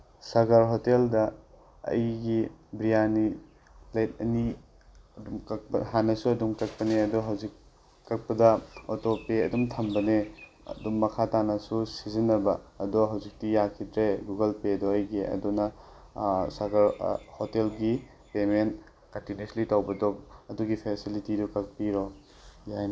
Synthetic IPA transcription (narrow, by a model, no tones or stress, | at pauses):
saɡaɾɦoteldɐ | ɐ̰jɡibɾijani | lajt̚ɐ̰ni | ɐdumkɐk̚pɐɦanɐsuɐdumkɐk̚pɐneɐdɔɦɐwzikː | ɐk̚pɐdɐotopeɐdumtʰɐmbɐnḛ | dumːɐkʰatanɐsusizinːɐbɐːdɔɦɐwzik̚tijakʰitɾeɡuɡɐlpedɔajɡeʔɐ̰dunɐ | saɡɐɾhotelɡi | pement | kɐntinenslitawbɐdɔɐduɡipʰesilitidukɐk̚piɾo | jajnɐ